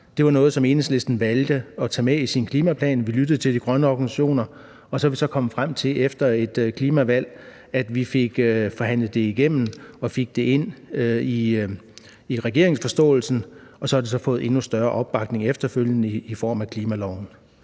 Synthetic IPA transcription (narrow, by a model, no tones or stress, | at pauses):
d̥e̝ʋɑ̈nɔ̽ːð̩ˠsɒ̽me̝ːneŋsle̝sd̥n̩ʋæld̥əɒ̽t͡sʰɛ̰ːmeisinkʰliːmæpʰlɛ̰ːnʋilyd̥əð̩ˠt͡sʰe̝ld̥iɡ̥ʁɶnəɒɡ̥ænsæɕo̝̰ːnɐ | ɒ̽sɒʋisɒ̽kʰɒ̽m̰fʁam̰t͡sʰe̝lʔefd̥ɐe̝d̥kʰliːmæʋæl̰ | æd̥ʋife̝ɡ̥fɒ̽ɦæn̰ləð̩ˠd̥e̝iɡ̥em̰n̩ɒ̽fe̝ɡ̥̚d̥e̝e̝n̰i | iʁɛɡ̥e̝ɐ̰e̝ŋsfɒ̽sd̥ɔ̰̽ːl̩sn̩ɒ̽sɒ̽hɑ̈d̥e̝sɒ̽fɔ̽ːð̩ˠe̝nusd̥ɶɐʔɒ̽b̥ːɑ̈ɡ̥̚ne̝ŋefd̥ɐføl̰jənəiifɒ̰ːmækʰliːmælɒʊ̰n̩